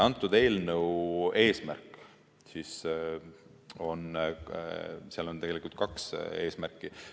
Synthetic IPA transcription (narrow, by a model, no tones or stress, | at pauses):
ɑnt̪ːˑud̪̥e̞ːlnəwe̞ːsmæ̰rkˑ | sis | o̞n | siɑlo̞nt̪eɡelikult̪̚kɑkse̞ːsmærkːˑi